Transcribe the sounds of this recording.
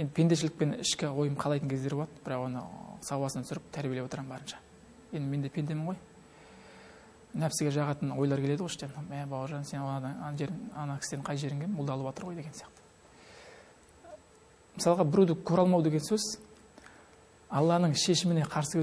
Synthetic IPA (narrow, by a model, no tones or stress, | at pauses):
je̞nd̪ɪpʰe̞nd̪eʃɪlɪk̚penɪ̰ʃkʲɪwo̞jəmqʰɑlˠɑjt̪əŋkʰe̞zd̪eɾbolˠɑt̪əbɪɾɑqwo̞nə̰sɑwɑsənɑt̪sʏɾɪp̚t̪ʰæɾbijelewot̪əɾɑmmbɑɾənʃɑ̥ | je̞nd̪ɪme̞nd̪e̞pʰe̞nd̪e̞mɪɴʁo̞j | næpseɡʲe̞ʒɑʁɑt̪ənwo̞jlˠɑɾkʰʲele̞d̪əʁojɪʃt̪enæbɑwəɾʒɑnse̞nʒeɾɑnɑkʲʰɪ̥sd̪eɴqʰɑjʒe̞ɾɪŋɡʲemmbʊlˠd̪ɑlˠəpwɑt̪əɾʁo̞jd̪eɡensjɑqt̪ə̥ | məsɑlˠəʁɑbɪɾud̪ɪkkʲʰøɾɑlˠmɑwd̪e̞ɡʲesɵz | ɑlˠːɑnəɴʃe̞ʃɪmɪneqʰɑɾsəkʲʰe